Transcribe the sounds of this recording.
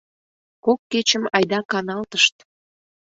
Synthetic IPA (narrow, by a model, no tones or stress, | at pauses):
kokːet͡ɕəmɑjd̪ɑkɑnɑlt̪əʃt̪